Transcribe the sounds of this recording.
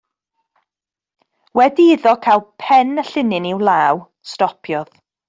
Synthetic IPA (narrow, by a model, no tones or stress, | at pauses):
wɛdiɪðɔkʰaːlˠpʰɛnəɬɪnɪnɪwlˠaːw | stɔpʰjɔð̥